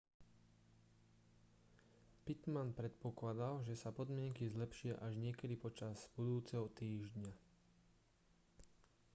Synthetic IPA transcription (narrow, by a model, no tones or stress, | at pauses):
pit̪manpɾɛt̪pɔklad̪alʒɛsapɔd̪mɪɛŋkizlɛpʃɪaʔaʒɲɪɛkɛd̪ipɔt͡ʃazbud̪uːt͡sɛɦɔt̪iːʒdɲa